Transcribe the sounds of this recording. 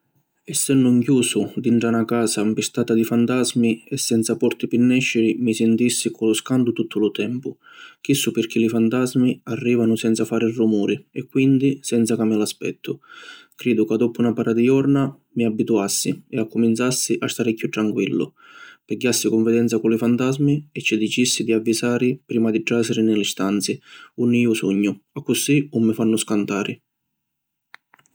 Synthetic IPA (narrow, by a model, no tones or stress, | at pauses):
ɛsːenːʊŋkjuːsʊd̪iɳʈɾanakaːsampist̪aːt̪ad̪ifant̪azmiɛsːɛnt̪sapɔrt̪ipinːɛʃːɪɾimisɪnt̪isːikʊlʊskand̪ʊt̪ut̪ʰːʊlʊt̪ɛmpʊ | k̟isːʊpɪrk̟ilifant̪azmiarːiːvanʊsɛnt̪safaːɾɪrːumuːɾɪɛkːwind̪isɛnt̪sakamːɪlaspɛ̰t̪ʰːʊkɾiːd̪ʊkad̪ːɔpunapaɾʔad̪ijɔrna | miabːit̪uasːiɛakːumint̪sasːiʔast̪aːɾɪkːut̪ɾaŋkwilːʊ̰ | pɛɟːasːikʊɱvɪd̪ɛnt̪sakʊlifant̪azmiɛt͡ʃːid̪it͡ʃisːid̪iavːisaːɾɪpɾiːmad̪iʈːasɪɾɪnɪlist̪ant̪siunːiːʊsṵɲːʊakːʊsiʊmːɪfanːʊskant̪aːɾɪ